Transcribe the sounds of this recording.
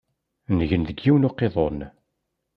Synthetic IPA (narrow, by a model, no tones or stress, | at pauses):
nʝənðəɡːiwnoqːeðˤon